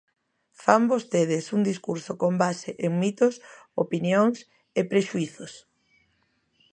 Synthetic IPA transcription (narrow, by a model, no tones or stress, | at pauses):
fambost̪eð̞ɪsuŋd̪iskuɾsokombaseʔeŋmit̪os | opinjoŋs | epɾeʃuiθos